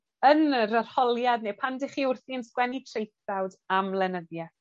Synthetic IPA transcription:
ənɾər̥hɔlˠjadnepʰandɪχiːʊrθiənskwɛnitʰrejθawdamlˠɛnəðjɛ

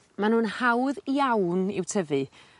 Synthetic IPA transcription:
manuːnhawðiawnɪ̰wtʰəvɨ

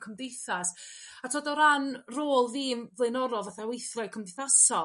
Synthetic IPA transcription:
kʰəmdejθasatʰoːdɔɾanroːlˠðiːmvlˠejnɔɾɔvaθawejθrɔɨkʰəmdɪjθasɔ

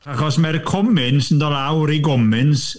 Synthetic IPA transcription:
aχɔsmɛrkʰɔmɪnsəndɔlˠawɾiɡɔmɪns

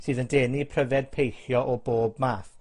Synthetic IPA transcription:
sɨːðəndɛːnipʰrəvɛd̥̚pʰejθjɔʔɔboːbmaːθ

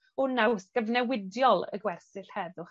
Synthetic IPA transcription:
ʊnawsɡ̥əvnɛwɪdjɔlˠə̰ɡwɛrsɪɬhɛðʊχ

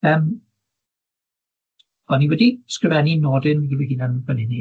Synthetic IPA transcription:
əːm | ɔniwɛdi̥skrɪvɛninɔdɪnɡiviɡinanbənɪni

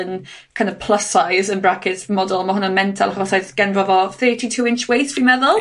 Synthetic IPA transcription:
ən | kʰajndɔv̥pʰl̥ˠəsajzənbrakʰɪtmɔdʊlˠmahʊnɔmɛntʰa̰lˠaχɔsajðɡ̥ɛnvɔvɔθɜːtʰitʰuːɪnt͡ʃwejθfrimɛðʊlˠ

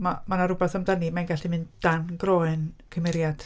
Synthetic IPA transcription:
mamanaɾʊbɛθamdanimajnɡaɬimɨnd̥anɡroːɨnkʰəmɛɾjad̥

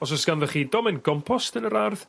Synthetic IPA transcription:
ɔsɔsɡ̥anvɛχiːdɔmɪnɡɔmpʰɔstənəɾarð

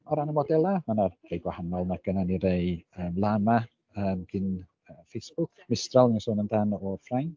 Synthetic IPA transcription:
ɔɾanəmɔdɛlˠamanarejɡwahanɔlˠnaɡ̥ənaniɾejəːmlˠama | əːmɡ̥ɪn | əːfejsb̥ʊkʰmɪstralˠnasoːnəndanɔrfrajn

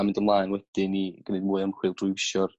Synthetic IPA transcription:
amɪndəmlˠaːjnwɛd̥ɪniɡ̥ənɨdmuːjəmχwɪːlˠd̥rʊwʃɔr

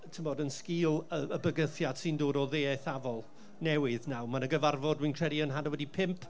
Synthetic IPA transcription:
tʰəmɔdənskiːlˠəəbəɡəθjad̥sɨndoːdɔðeːɛθavɔlˠ | nɛwɪðnawmanəɡəvarvɔdwiːnkʰr̥ɛdiənɦadɔwɛdipʰɪmpʰ

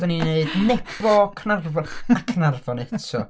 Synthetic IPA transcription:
dənineɨdnɛbɔkʰnarvɔakʰnarvɔnɛtʰɔ

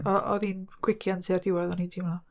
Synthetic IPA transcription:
ɔʔɔ̰ðinkʰw̥ɪkʰjantʰiardɪwɛðɔnintʰimna

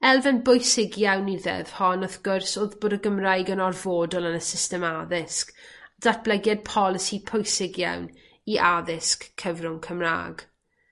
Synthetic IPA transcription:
ɛlˠvɛnbʊjsɪɡjawniðɛ̰ð̥hɔnɔðɡ̥ʊrsoːðboːdəɡəmrajɡənɔrvoːdɔlˠənəsɪstɛmaðɪskd̥at̚b̥lˠɛɡjad̚pʰɔlˠɪsipʰojsɪɡja̰wn | iʔaðɪskʰːəvrʊŋkʰəmra̰ːɡ̥

